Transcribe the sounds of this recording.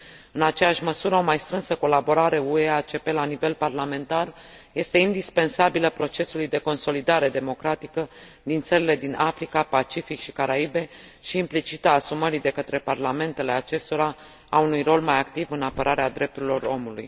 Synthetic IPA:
ɨnat͡ʃe̞jaʃʲməsuɾəo̞majst̪ɾɨnsəko̞labo̞ɾaɾe̞ueat͡ʃe̞pe̞lanive̞lparlame̞nt̪arje̞st̪e̞ind̪ispe̞nsabiləpɾo̞t͡ʃe̞sulujd̪e̞ko̞nso̞lid̪aɾe̞d̪e̞mo̞kɾat̪ikəd̪int̪səɾile̞d̪inafɾikapat͡ʃifikʃi̥kaɾaibe̞ʃiːmplit͡ʃit̪aːsuməɾid̪e̞kət̪ɾe̞parlame̞nt̪e̞le̞at͡ʃe̞st̪o̞ɾa | aunujro̞lmajak̚t̪ivɨnapəɾʔaɾead̪ɾe̞p̚t̪uɾilo̞ɾo̞mulṵj

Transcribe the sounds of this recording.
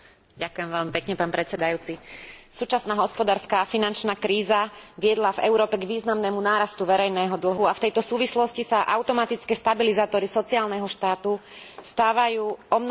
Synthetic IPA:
ɟakʊjɛmʋɛʎmipɛkɲɛpaːnpɾɛt͡sɛd̪ajuːt͡sisuːt͡ʃasnaːɦɔspɔd̪aːɾskaːfinant͡ʃnaːkɾiːzaʋɪɛd̪lavɛ̰ʊɾɔːpɛɡʋiːznamnɛmunaːɾast̪uʋɛɾɛjnɛːɦɔd̪l̩ɦuaft̪ɛjt̪ɔsuːʋislɔscisaʔaʊt̪ɔmat̪it͡skɛːst̪abilizaːt̪ɔɾisɔt͡siaːlnɛɦɔʃt̪aːt̪ust̪aːʋajuːɔmn

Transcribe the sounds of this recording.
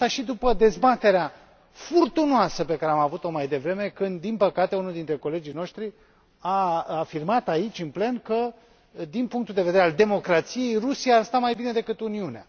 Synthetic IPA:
aʃid̪upəd̪e̞zbat̪e̞ɾea | furt̪unoasəpe̞kaɾeamavut̪o̞majd̪e̞vɾe̞me̞kɨnd̪ːinpəkat̪e̞unuld̪int̪ɾe̞ko̞le̞d͡ʒijno̞ʃt̪ɾi | aafirmat̪ait͡ʃʲɨnple̞nkə | d̪inpuŋk̚t̪uld̪e̞ve̞d̪eɾeald̪e̞mo̞kɾat̪sije̞jrusijaːrst̪amajbine̞d̪e̞kɨt̪uniunea

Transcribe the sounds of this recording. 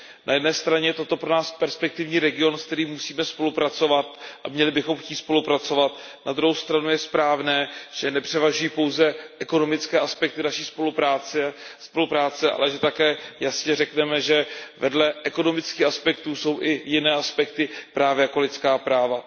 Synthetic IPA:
nʔa̰jɛdnɛːst̪ɾaɲɛjɛt̪o̞t̪o̞pɾonaːspɛɾspɛk̚t̪ɪvɲiːɾɛɡɪo̞nsk̚t̪ɛɾiːmːusiːmɛspo̞lupɾat͡so̞vat̪ʔa̰mɲɛlɪbɪxo̞mxciːt̪spo̞lupɾat͡so̞vat̪nad̪ɾuɦowst̪ɾanujɛspɾaːvnɛːʒ̥ɛnɛpr̝̥ɛvaʒujiːpo̞wzɛʔɛko̞no̞mɪt͡skɛːʔaspɛk̚t̪ɪnaʃiːspolaːspo̞lupɾaːt͡sɛʔa̰lɛʒɛt̪akɛːjasɲɛrɛknɛmɛʒɛvɛdlɛʔɛko̞no̞mɪt͡skiːxaspɛkt̪uːso̞wʔɪjɪnɛːʔaspɛkt̪ɪpɾaːvjɛjako̞lɪt̪t͡skaːpɾaːva

